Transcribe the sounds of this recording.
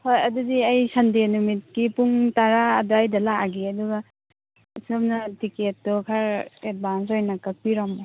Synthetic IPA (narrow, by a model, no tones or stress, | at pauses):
hojɐdudiajsandenumit̚kipuŋtaɾaːdajdalaaɡiɐduɡa | sɯmnatiket̚ːɔkʰaɾet̚bansojnakak̚piɾamɔ